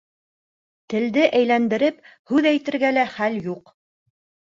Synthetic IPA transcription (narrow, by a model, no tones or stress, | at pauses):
t̪ɘ̆ld̪ɘʔæjlænd̪ɘ̆ɾɘp | hʉðæjt̪ɘ̆ɾɡælæχæljuq